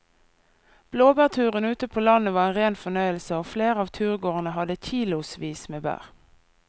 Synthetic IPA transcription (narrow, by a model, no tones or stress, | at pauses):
b̥loːbæːʁt̪ʰʉːʁənʉːt̪əpʰoːlɑnəʋɑːʁeːnʁeːnfɔnœʏəlsəoːfleːʁəɑːʋt̪ʰʉːʁɡoːʁnəhɑd̪əc͡çiːlʊsʋiːsmeːbæ̰ːʁ